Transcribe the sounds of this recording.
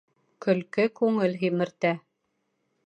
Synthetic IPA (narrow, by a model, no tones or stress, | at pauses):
kɵ̆lkɘkʉŋɘlɦimɘ̆ɾt̪æ